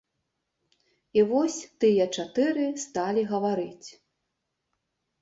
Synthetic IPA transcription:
ivɔsʲt̪ɨjɐt͡ʂat̪ɨɾɨst̪alʲiɣɐvaɾɨt͡sʲ

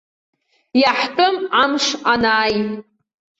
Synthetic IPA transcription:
jaħtʼɨmamʂanaːj

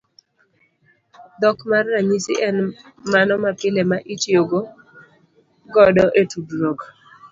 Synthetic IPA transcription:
d̪ɔkmarːaɲisɪ̰ʔɛn | manɔmapɪlemaʔit͡ʃjoɡo | ɡɔdɔʔetudɾok

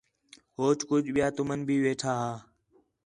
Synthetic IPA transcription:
ɦoːt͡ʃkʊd͡ʒʱɓɪjaːt̪ʊmənbʱiːʋeːʈʰaːɦaː

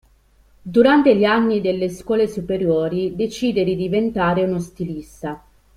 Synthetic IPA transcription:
d̪uɾant̪eʎianːid̪elːeskwɔːlesupeɾjoːɾid̪et͡ʃiːd̪ed̪id̪ivent̪aːɾeunost̪ilist̪a

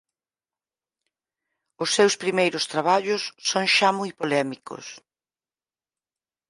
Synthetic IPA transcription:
ʊsːewspɾimejɾʊst̪ɾaβaʎʊsːõŋʃamujpolɛmikʊ̰s

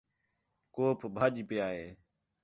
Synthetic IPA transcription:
koːpʰbʱaːd͡ʒpɪjaːɦeː

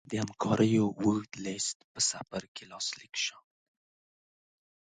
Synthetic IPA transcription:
d̪əhamkʰɑɾəjowuxd̪lest̪pəsafaɾkelɑslikʃa

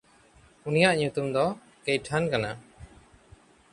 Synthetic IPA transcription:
unijaʔɲut̪umd̪ɔ | kejʈʰankana

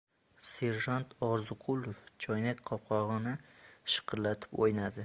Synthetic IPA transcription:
se̞ɾʒant̪ʰɒɾzʊqʰʊlˠoft͡ʃʰɒjnak̪̚ʲqʰɒp̚qʰɒʁɨnɪʃɨ̥qʰɨɾlat̪ʰɪ̥pojnad̪ɪ

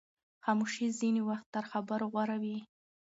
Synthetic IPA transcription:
xɑmuʃiziniwaxt̪ːəɾxabəɾoɣwaɾawi

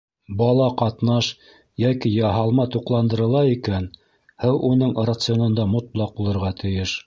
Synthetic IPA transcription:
bɑlˠɑqɑt̪nɑʃ | jækijɑɦɑlˠmɑt̪uqlˠɑnd̪ɤ̆ɾɤ̆lˠɑikæn | hæwʔunɤɴrat̪sɨjonɤ̆nd̪ɑmŏt̪lˠɑq̚bulˠɤ̆ɾʁɑt̪ʰɘ̆jɘʃ

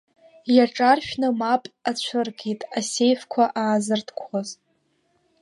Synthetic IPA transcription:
jaʈ͡ʂʼarʃᶣnɨmapʼat͡ɕʷʰɨrɡetʼasejfkʷʰaʔaːzɨrtʰkʷʰχoz

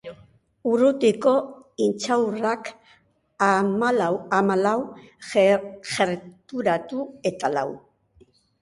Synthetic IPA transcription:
urut̪ikoint͡ʃawrak | mamalaw | xeɾt̪uɾat̪uet̪ala̰w

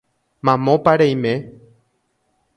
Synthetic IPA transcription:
mãmõpaɾejmẽ

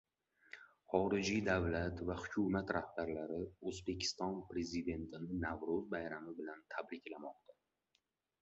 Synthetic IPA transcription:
χɒɾɪd͡ʒid̪avlat̪vahʊkʲʰʊmat̪ɾʔahbaɾlaɾɪɵzbe̞kʲʰɪ̥st̪ɒnpɾe̞zid̪e̞nt̪ʰɪnɪnavɾʊzbajɾamɪbɪlant̪ʰabɾɪkʲʰlamɒqt̪a

